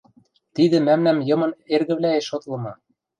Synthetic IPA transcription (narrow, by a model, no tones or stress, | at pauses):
t̪id̪ɘ̆mæmnæmjɤ̆mɤ̆nerɣɘ̆βlæeʃot̪lɤ̆mɑ